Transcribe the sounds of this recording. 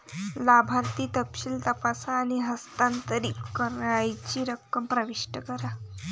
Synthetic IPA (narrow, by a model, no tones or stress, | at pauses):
labʱaɾt̪iːt̪əkɕilt̪əpasaːɽ̃iɦəst̪ant̪əɾiːkːəɾjt͡ɕiːɾəkːəmpɾəʋiʂʈəkəɾa